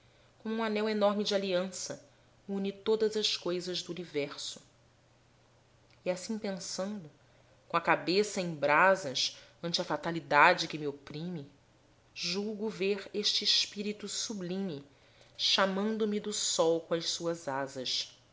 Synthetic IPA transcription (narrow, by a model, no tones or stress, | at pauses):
kõmũanɛwenɔɾmɪd͡ʒɪaliɐ̃sɐ | ũnit̪od̪ɐzɐʃkojzɐʒd̪uunivɛɾsʊ̥ | iasĩpẽsɐ̃nd̪ʊ | kõɐkabesɐẽj̃bɾazɐʃɐ̃nt͡ʃɪɐfat̪alid̪ad͡ʒɪkɪmiopɾĩmɪ | ʒuɡʊveɾeʃt͡ʃɪːʃpiɾit̪usublĩmɪ | ʃamɐ̃nd̪ʊmid̪ʊsɔwkõɐʃsuɐzazɐʃ